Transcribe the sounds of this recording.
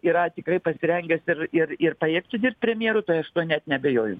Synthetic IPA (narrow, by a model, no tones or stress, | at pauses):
iɾɐt̪ʲɪkrɐɪpɐsʲɪɾʲɛŋʲɡʲɛsɪrɪrɪrpɐeːkt̪ʊd̪ʲɪrp̚t̪̚ʲpʲɾʲɛmʲjeːɾʊt̪ɐɪɐʃt̪uɔnʲɛt̪nʲɛɐbʲejoːjʊ̰